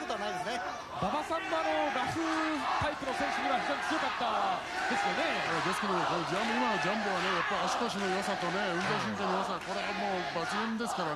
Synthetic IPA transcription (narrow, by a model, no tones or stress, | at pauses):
kot̪oanaid̪esɨne | babasãmːanoɾaɸɯt̪aipɯ̟no̞sẽ̞ɰ̃ɕɯɡiɾaçiʑoɲ̟it͡sɨjo̞kat̪ːa | d̪e̞sɨjone̞jad̪esɨ̥ke̞d̪omokonod͡ʑamimano̞d͡ʑãmbɯβane̞japːaɾʲiaɕi̥koɕ̬ino̞josat̪o̞ne̞ɯ̟̃nt̪eɕ̬ĩŋkenojasako̞ɾeamo̞ː | bat͡ɕiẽnd̪e̞sɨ̥kaɾa